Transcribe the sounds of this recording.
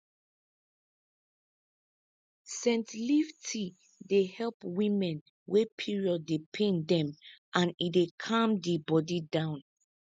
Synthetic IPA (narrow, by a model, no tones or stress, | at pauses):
sɛ̃ntliftʰi | dehɛlpwĩmɛ̃n | wepʰiɹiɔdepʰẽndɛ̃mʔãnidekʰãmdibɔdidãʊ̃n